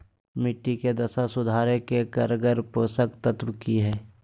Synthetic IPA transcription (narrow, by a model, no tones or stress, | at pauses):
mɪʈːiked̪ɐsasʊd̪ʱaːɾekekəɾɡəɾpoːsəkt̪ət̪wkiɦɛː